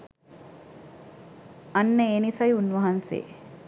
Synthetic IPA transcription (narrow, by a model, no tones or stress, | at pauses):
ɐnːəeːnisɐjunʋɐɦɐnsḛː